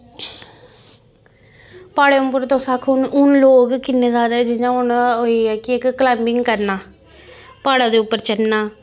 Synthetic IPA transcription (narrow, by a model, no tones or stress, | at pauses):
paːɽeːʊmpəɾt̪õːsakʰʊnʊnloːɡkɪnːeːzaːd̪aːɛːd͡ʒɪnãːʊɳɦoːiːɛːkɪɪkːəlɛ̃ːmbɪŋɡkəɾnaː | paːɽaːd̪eːʊpːəɾt͡ʃənnaː